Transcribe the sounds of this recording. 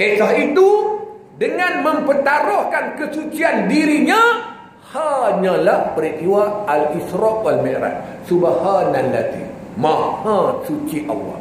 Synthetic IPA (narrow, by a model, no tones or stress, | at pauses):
esaɦit̪u | dəŋãnməmpət̪aɾɔhkankəsut͡ʃiandiɾiɲã | haɲãlahpəɾit̪iwaalisɾɔkwalmeɾa̰t̪̚ | subahananlat̪ḭmãhãsut͡ʃiʔɑ̰lːɑ̰h